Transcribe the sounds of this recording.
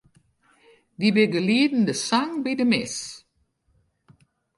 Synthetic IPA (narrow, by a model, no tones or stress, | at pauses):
dibɪɡəliːdn̩dəsaŋbidəmɪs